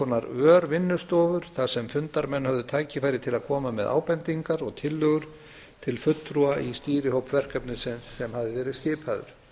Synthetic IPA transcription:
ɔnːaɾœːɾvɪnːʏst̪ɔːvʏɾ̥θaðsɛmfʏnt̪aɾmɛnːhœvðʏt̪ʰaːjcɪfaːjɾɪt̪ʰɪlaðkʰɔːmamɛða̰ːwpɛnt̪iŋkaɾɔɣt̪ʰɪlːœɣʏɾ̥ | t̪ʰɪlfʏt̪ːɾuaʔist̪iːɾɪhowpvɛr̥kœpnɪsɪnsːɛmhavðɪvɛːɾɪðscɪːpʰaðʏ̰ɾ̥

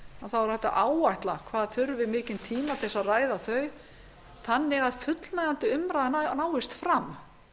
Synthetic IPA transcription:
aθawaɾ̥θɛht̪ːa̰ʔaːwajht̪lakʰvaːðθʏɾvɪmɪːcɪnt̪ʰiːmat̪ʰɛsːaraːjðaθœɥ | θanːɪɣaðfʏt̪lnaɣant̪ɪʏmɾajðnaːwɪst̪fɾam

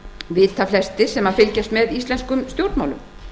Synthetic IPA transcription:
vɪðθaflɛst̪ɪsɛmafɪlcɛst̪mɛðist̪lɛnskʏmst̪jowɾt̪mawlʏm

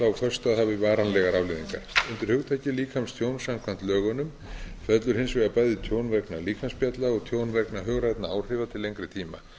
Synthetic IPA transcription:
aawfœr̥st̪aðhavɪvaːɾanlɛɣaɾavlɪðiŋka̰ɾ̥ʏnt̪ɪɾhʏɣt̪ʰaːjcɪliːkʰhamst̪ʰjownsamkʰvant̪lœːɣɔnʏm | fɛt̪lʏɾ̥hɪnsvɪɣapajðɪt̪ʰjoːwnvɛknaliːkʰamspjɛt̪laɔɣt̪ʰjoːwnvɛknaɦœɣɾaɛjt̪naawr̥ɪvat̪ʰɪlːejŋkɾɪt̪ʰiːma̰

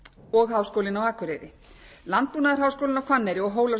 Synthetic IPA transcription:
ɔɣɦaːwskowlɪnawaːkʏɾejɾɪ | lant̪̚puːnaðaɾ̥ɦaːwskowlɪnawkʰvanːɛjɾɪɔɣɦoːwla

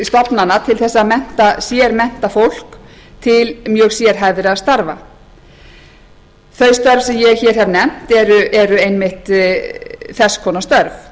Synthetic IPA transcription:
st̪ɔpnanːat̪ʰɪlθɛsːaːðmɛn̥t̪asjɛɾmɛn̥t̪afowl̥k | t̪ʰɪlmjœːɣsjɛɾ̥ɦajðɪɾaðst̪aɾva | θœɥst̪œɾv̥sɛmjɛɣçɛːɾ̥ɦɛvnɛm̥t̪ɛɾʏʔɛɾʏejnmɪht̪ | θɛskʰɔːnast̪œɾv

